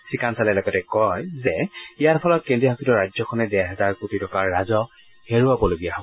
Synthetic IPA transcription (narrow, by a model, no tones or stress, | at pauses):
sikansalɛlɔɡɔtɛkɔjzɛijaɹpʰɔlɔt̚kẽndɹiɔɦakʰitɔɹajzɔkʰɔnɛdɛɦɛzaɹkotitɔkaɹːazɔ | heɹuabɔloɡijaɦob